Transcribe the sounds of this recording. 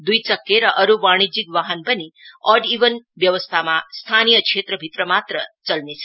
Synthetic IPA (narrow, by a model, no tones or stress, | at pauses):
d̪ujt͡ʃəkːeɾəʔəɾuʋaɽ̃id͡ʒikʋaɦənbəniɔɖiʋənʋjəʋəst̪ʰamãst̪ʰanijəkʃet̪ɾəbʱit̪ɾəmat̪ɾət͡ʃəlnet͡ʃʰe̥